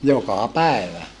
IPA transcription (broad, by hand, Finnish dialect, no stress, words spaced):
jokɑˑ pæˑeʋæ